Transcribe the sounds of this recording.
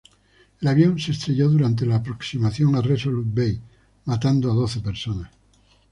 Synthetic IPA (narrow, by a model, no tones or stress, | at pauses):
elaβjonsest̪ɾeʎoðuɾant̪̬elaːpɾoksimaθjoŋaresolut̪̚bej | mat̪and̪oað̞oθepeɾsonas